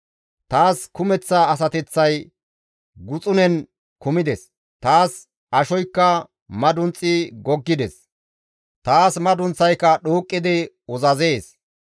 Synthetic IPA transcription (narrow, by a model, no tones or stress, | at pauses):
t̪aːskʊmɛt͡sːɐːs̬ɐt̪ɛt͡sːɐj | ɡʊt͡sʼʊnɛn | kʊmɪd̪ɛs | t̪aːs | ɐʃɔjkːɐ | mɐd̪ʊnt͡sʼːɪɡɔɡːɪd̪ɛs | t̪aːsmɐd̪ʊnt͡sːɐjkːɐɗoːkʼːɪd̪ɪ | ɔzɐze̞ːs